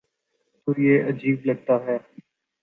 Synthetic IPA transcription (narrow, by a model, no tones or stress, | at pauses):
t̪oːjeːʔəd͡ʒiːbləɡ̚t̪aːɦɛː